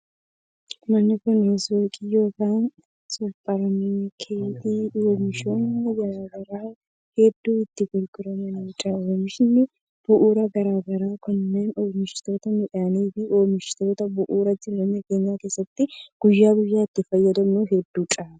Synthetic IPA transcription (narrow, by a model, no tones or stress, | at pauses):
mɐnːɪkʊnjeːswokʼiːjo̞ːkaːn | sʼʊpʼːɐɾɐmɛkʰeːt̪iːoːmɪʃoːnɐɡɐɾaːɡɐɾaː | hɛd̪ːuːɪt̪ːɪɡʊlɡɪɾɐmɛnɐwt͡ʃʼaːoːmɪʃɪnːɪ | b̥ʊʔuːɾɐɡɐɾaːɡɐɾaːkʊnːeːnoːmɪʃɪ̥t̪o̞ːt̪ɐmɪᶑɐniːfɪo̞ːmɪʃɪ̥t̪o̞ːt̪ɐbʊʔuːɾɐd͡ʒɪɾɐnːɛɡeɲːaːke̞ːsːɐt̪ːɪɡ̥ʊjːaːɡʊjːaːɪt̪ːɪfɐjːɐd̪ɐmnuːɦɛd̪ːuːt͡ʃʼaːn